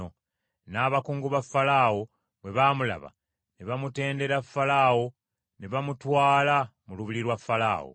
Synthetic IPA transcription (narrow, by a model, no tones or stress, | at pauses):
o | naːβakuːŋɡuβafːalawo̞ | βwe̞βaːmula̰βa̰ | neβamute̞ːnde̞ɾafːalaːwo̞ | neβamutwaːlamuluβiliɾwafːala̰ːwo̰